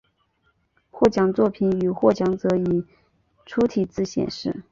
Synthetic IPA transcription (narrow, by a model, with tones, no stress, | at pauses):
xwɔ˥˩t͡ɕjɑ˨˩ŋt͡swɔ˥˩pʰi˧˥ny˨˩xwɔ˥˩t͡ɕjɑ˧˥ŋt͡sɤ˧˥i˨˩˦ | ʈ͡ʂʰu˥t̪ʰi˨˩t͡sɹ̩˥˩ɕjɛ̰˨˩nʂɻ̩˥˩